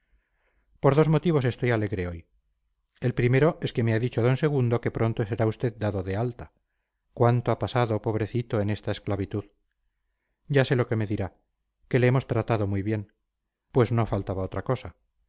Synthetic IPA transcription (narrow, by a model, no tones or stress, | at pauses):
po̞ɾðo̞zmo̞t̪iβ̞o̞s̬e̞st̪o̞jale̞ɣɾe̞o̞j | e̞lpɾime̞ɾo̞e̞ske̞me̞aðit͡ʃoaðo̞nse̞ɣ̞und̪o̞ke̞pɾʔo̞nt̪oseɾaust̪e̞ðd̪aðoðe̞alt̪a | kwant̪o̞apasaðo̞po̞β̞ɾe̞θit̪o̞ene̞st̪aesklaβit̪uð | ɟ͡ʝase̞loke̞me̞ðiɾa | ke̞leemo̞st̪ɾat̪aðo̞mujβje̞n | pwe̞zno̞afalt̪aβao̞t̪ɾako̞sa